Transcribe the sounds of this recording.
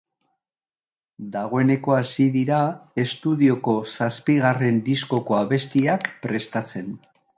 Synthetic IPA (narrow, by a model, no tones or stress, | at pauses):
d̪aɣ̞o̞e̞ne̞ko̞asiðiɾae̞st̪uðio̞ko̞saspiɣare̞nd̪isko̞ko̞aβe̞st̪iakpɾe̞st̪at͡se̞n